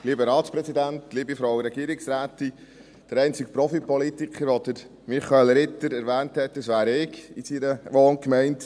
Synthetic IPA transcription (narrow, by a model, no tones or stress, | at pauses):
liːbəɾɑːtspɾɛsidæntliːbifɾɔʊɾɛɡiːɾɪksɾæːt̪i | d̥əɾɛɪnt͡sɪk̚pɾɔfipɔlitikχəɾʋɔd̪əɾ | miχɑelɾɪt̪ːəɾæɾʋæːnthɛtdəsʋæːɾɪɡisiɾəʋoːnkmɛɪnt